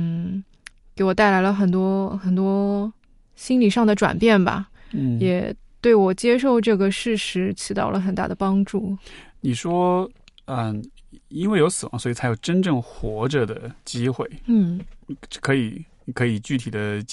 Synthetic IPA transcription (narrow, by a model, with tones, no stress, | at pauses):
n̩˥˩ | ke˧˥ɪwɔ˨˩t̪a˥˩ɪla˧˥ɪlə˧xə˨˩nt̪wɔ˥xə˨˩nt̪wɔ˥ | ɕi˥nli˨˩ʂɑ˥˩ŋd̪ə˩ʈ͡ʂwa̰˨˩npjɛ˥˩nbɐ̰˩jɛ˨˩˦t̪we˥˩ɪwɔ˨˩t͡ɕjɛ˥ʂ̬o˥˧ʊʈ͡ʂɤ˥˩ɡə˩ʂɻ̩˥˩ʂɻ̩˧˥t͡ɕʰi˧˥t̪ɑ̰˥˩ʊlʔə˦xə˨˩nt̪a̰˥˩d̪ə˩pɑ˥ŋʈ͡ʂu˥˩ni˨˩ʂwɔ˥ə˧i˥nwe˥˩ɪjo˧˥ʊsɹ̩˨˩wɑ˧˥ŋswɔ˥i˨˩t͡sʰa˧˥ɪjo˨˩ʊʈ͡ʂə˥nʈ͡ʂɤ˥˩ŋxwɔ˧˥ʈ͡ʂə˥˧d̪ə˩t͡ɕi˥xwe˥˩ɪn̩˥˩ | kʰɤ˧˥i˨˩˨ | kʰɤ˧˥i˨˩t͡ɕy˥˩t̪ʰi˨˩d̪ə˦